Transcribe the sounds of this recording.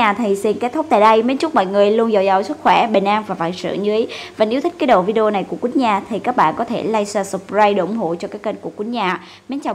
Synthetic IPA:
aː˨˩t̪ʰi˨˩si˧nke˦˥t̪̚ʰk͡p̚t̪aː˧˨jɗə˧jme˨˦nt͡ɕʊ˦˥k͡p̚mɔ̰˧˨jŋɨ˨˩əjlu˧ənza˧˨˩wza̰˧˨˩wswɨ˦˥k̚xwɛ˧˩ɓe˨˩nʔaː˧nvaː˨˩va̰ː˧˨nsɨ̰˧˩əɲɨ˧˨˦ə˨˦jvaː˨˩nʔt̪ʰï˦˥k̟kːaː˨˦˥ɗo̰˧˨vi˧ɗe˧o˧na˨˩jku˧˩əkwu˨˦nɲaː˨˩t̪ʰi˨˩kaː˦˥k̚ɓa̰ː˧˨kɔ˨˦t̪ʰe˧˩la˧jsaː˧sə˨˩p̚zaː˧jɗe˧˨ʔʊ˧˩ŋ͡mɦo̰˧˨t͡ɕɔ˧kaː˦˥kːə˧nku˧˩əkwi˧˦nɲaː˨˩ | me˨˦nt͡ɕa˨˩

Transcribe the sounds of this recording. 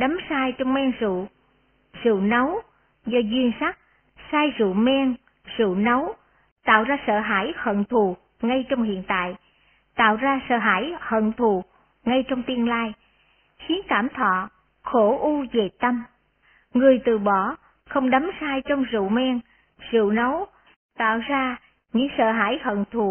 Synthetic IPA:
ɗa˨˦msaː˧jt͡ɕɔ˧wŋ͡mmɛ˧ŋzṵ˧˨ | zɨ̰˧˨nə˨˦w | zɔ˧zwi˧ənsa˦˥k̚ | saː˧jzṵ˧˨mɛ˧ŋ | zɨ̰˧˨nə˨˦w | t̪a̰ː˧˨wzaː˧sə̰ː˧˨ɦaː˧˩jhə̰˧˨nt̪ʰu˨˩ | ŋa˧jt͡ɕɔ˧wŋ͡mhḭ˧˨ənt̪a̰ː˧˨j | t̪a̰ː˧˨wzaː˧sə̰ː˧˨ɦaː˧˩jhə̰˧˨nt̪ʰu˨˩ | ŋa˧jt͡ɕɔ˧wŋ͡mt̪i˧ənlaː˧j | xi˨˦ənkaː˧˩mt̪ʰɔ̰˧˨ | xo˧˩ʔu˧ve˨˩t̪ə˧m | ŋɨ˨˩əjt̪ɨ˨˩ɓɔ˧˩ | xə˧wŋ͡mɗa˨˦msaː˧jt͡ɕɔ˧wŋ͡mzɨ̰˧˨mɛ˧ŋ | z̥ɨ̰˧˨nə˨˦w | t̪a̰ː˧˨wzaː˧ | ɲɨ̰˧˥ŋsə̰ː˧˨ɦaː˧˩jhə̰˧˨nt̪ʰu˨˩

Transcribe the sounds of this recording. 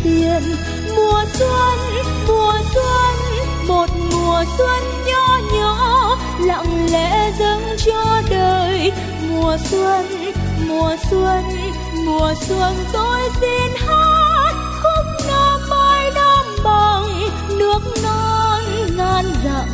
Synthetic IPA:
ti˧˩ən | mu˨˩əswə˧n | mu˨˩əswə˧n | mo˨˩t̚mu˨˩əswə˧nɲɔ˧ɲɔː˧˦ | lɔ̰˧˨wŋ͡mlɛ̰˧˥zə˧nt͡ɕɔ˧ɗəː˧˩j | mu˨˩əswə˧n | mu˨˩əswə˧n | mu˨˩əswə˧˩nt̪o˧jzi˧˩nha˦˥t̚ | xə˧ŋ͡mnəː˧ma˧˩jɗa˧mɓa˧˩ŋ | nɨ˦˥ək̚nɔ˧˦jŋaː˧nza̰˧˨ŋ

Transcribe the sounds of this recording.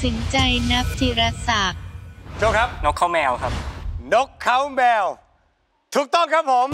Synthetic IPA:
si˩˦nt͡ɕa˧jna˦˥p̚t̪ʰi˨˧˩ɾa˧saː˨˩k̚t͡ɕʰo˧˥˩kʰa˦˥p̚no˦˥kʰːa˦˥wmɛː˧wkʰa˦˥p̚no˦˥kʰːa˦˥wmɛː˧w | t̪ʰuː˨˩k̚t̪ɔ˥˩ŋkʰa˦˥pʰːo˩˦m

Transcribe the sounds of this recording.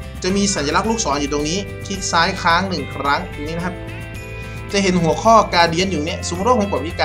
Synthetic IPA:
t͡ɕa˨˩miː˧sa˨˩˦nja˧la˦˥k̚luː˥˩k̚sɔː˩˦njuː˨˩t̪o˧ŋniː˦˥ | kʰi˦˥t̪̚saː˦˥jkʰaː˦˥ŋnɯ˨˩ŋkʰɾa˦˥ŋt̪ːŋniː˦˥na˧kʰa˧˥p̚ | t͡ɕa˨˩ʔɦe˩˦nɦu˨˩˦ɐkʰɔː˥˩kaː˧di˧ənjuː˨˩ni˦˥˩ɐsu˨˦˥ɾo˥˩k̚mː˧˦kp̚ːwiː˦˥˩kaː˧

